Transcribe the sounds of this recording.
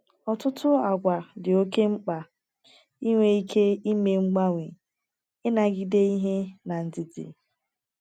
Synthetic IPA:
ɔ˨tʊ˦tʊ˦a˨ɡʷa˨dɪ˨o˦ke˦ŋ͡m̩˦k͡pa˨ | i˦ŋʷe˦i˦kʰe˦i˦me˦ŋ͡m̩˦ɡ͡ba˦ŋʷe˨ | ɪ˦na˨ɡɪ˦de˦i˦ɦe˦na˨n̩˨dɪ˨tɪ̰˨

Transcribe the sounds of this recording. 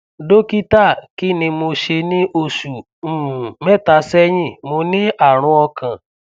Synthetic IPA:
do˦ki˦ta˦˨kɪ˦nɪ̃˧mo˧ʃe˧nɪ̃˦ʔo˦su˨˦˨ | mɛ˦˨ta˨sɛ˦ɲɪ̃˦˨mʊ˧nɪ̃˦a˨ɾ̃ʊ̃˧ɔ˧kã˨

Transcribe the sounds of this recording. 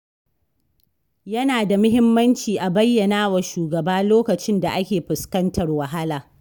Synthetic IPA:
jɐ˦naː˨da˨mʊ˦ɦɪ˦mːɐ˦nt͡ʃiː˨ʔa˨bɐ˦jːɐ˨naː˦wa˨ʃuː˨ɡɐ˨baː˦loː˦kɐ˨t͡ʃɪ˦nda˨ʔa˦kʲeː˨ɸʊ˨skɐ˦ntɐ˨rwɐ˨ɦa˦laː˨

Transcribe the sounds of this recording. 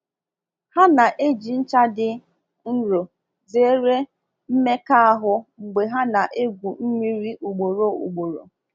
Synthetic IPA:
ha˦na˨ʔe˦d͡ʒi˨n̩˦t͡ʃa˦dɪ˦ | n̩˦ɾo˨ | ze˨˦ɾe˦ | m̩˦me˦ka˦a˦ɦʊ˦ŋ͡m̩˨ɡ͡be˨ɦa˦na˨ʔe˦ɡʷu˨m̩˦mi˦ɾi˦ʔu˨ɡ͡bo˨ɾo˨ṵ˨ɡ͡bo˨ɾo̰˨

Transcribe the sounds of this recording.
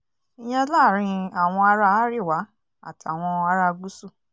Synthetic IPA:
i˧j̃ã˦la˦˨ɾ̃ĩ˧a˨w̃ɔ̃˧a˧ɾa˧a˦ɾi˦˨wa˨˦ | a̰˦˨ta˨w̃ɔ̃˧a˧ɾa˧ɡ͡bu˦su˦˨

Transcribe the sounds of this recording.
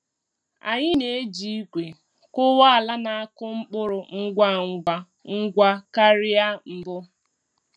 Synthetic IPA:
a˨ɲɪ˦ne˨e˦d͡ʒi˦i˦kʷe˨ | kʊ˦wa˦a˨la˦na˨a˦kʊ˦ŋ͡m̩˦k͡pʊ˦ɾʊ˨ŋ̩˦ɡʷa˦ŋ̩˦ɡʷa˦ | ŋ̩˦ɡʷa˦ka˦ɾɪ˦a˦m̩˨bʊ˦

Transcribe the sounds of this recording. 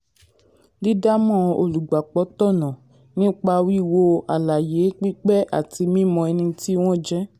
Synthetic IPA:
li˦da˦mɔ̃˦˨˧o̰˨lu˨ɡ͡ba˨k͡pɔ˨˧˦tɔ˦˨nã˨ | nĩ˦k͡pa˧wi˦˨wo˧a˨la˨je˨˦k͡pi˦k͡pɛ˦ʔa̰˦˨ti˧mĩ˦mɔ̃˧ɛ˧nĩ˧ti˦w̃ɔ̃˦d͡ʒɛ˦

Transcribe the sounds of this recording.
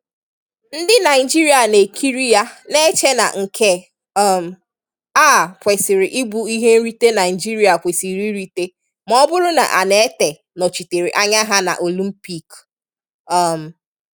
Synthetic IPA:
n̩˦dɪ˦na˨ɪ˨d͡ʒi˦ɾi˨˦a˨ne˨kʰi˦ɾi˦ja˦ne˦t͡ʃe˦na̰˨ŋ̩˨kʰe˦ | ɔ˦˨m̩˨ | a˦˨pʷe˨sɪ˨ɾɪ˨ʔi˦ɡ͡bu˨˦i˦ɦe˦n̩˦ɾi˦te˦na˨ɪ˨d͡ʒi˦ɾi˦a˨kʷe˨si˨ɾi˦ɾi˦te˦ | mɔ˦bʊ˦ɾʊ˦na̰˨ʔa̰˨ne˨˦te˨ | nɔ˨t͡ʃi˨te˨ɾi˨ʔa˦ɲa˦ɦa˦na̰˨ʔo˨li˦m̩˦pi˦k | ɔ˦˨m̩˨

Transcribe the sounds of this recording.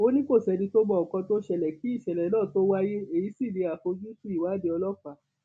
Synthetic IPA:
o˦nĩ˦ko˦˨ʃɛ˧dĩ˧to˦bɔ˦ɔ˨kɔ̃˧to˦ʃɛ˨lɛ˨ki˨˦i˦˨ʃɛ˨lɛ˨˦nɔ̃ː˦˨to˦wa˦je˦e˦˨ji˨˦si˦˨de˨˧˦a˨fo˧d͡ʒu˦ti˦i˦˨wa˨˦de˧ɔ˧lɔ˦˨k͡pa˨˦

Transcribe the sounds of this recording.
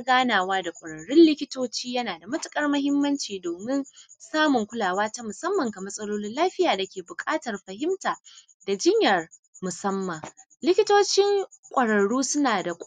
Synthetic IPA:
ɡaː˦naː˨waː˦da˨kʷʼɐ˨ɽɐ˨ɽʊ˦nlɪ˦kʲɪ˦toː˦t͡ʃiː˦jɐ˦naː˨da˨mɐ˦tʊ˨kʼɐ˦rmɐ˦hɪ˦mːɐ˦nt͡ʃiː˨doː˨mɪ˦nsaː˦mʊ˨ŋkʷʊ˦laː˨waː˦ta˦mʊ˨sɐ˦mːɐ˨ŋka˨mɐ˦sʼɐ˦loː˦nɪ˦nlaː˦ɸɪ˦jaː˨da˨kʲeː˨bʊ˨kʼaː˦tɐ˨rɸɐ˨ɦɪ˦mtaː˨ | da˨d͡ʒɪ˦ɲjɐ˨r | mʊ˨sɐ˦mːa˨ | lɪ˦kʲɪ˦toː˦t͡ʃɪ˦ŋ | kʷʼɐ˨ɽɐ˨ɽuː˦sʊ˦naː˨da˨kʷʼ

